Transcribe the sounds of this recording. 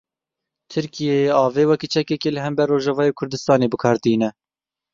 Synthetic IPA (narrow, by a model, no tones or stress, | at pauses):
t̪ʰɨɾkijeɑːveːwɛkiːt͡ʃʰɛkɛkeːlɨɦɛmbɛrːoːʒɑvɑːjeːkʰʊɾd̪ɨst̪ɑːneːbɨkʰɑːɾt̪iːnɛ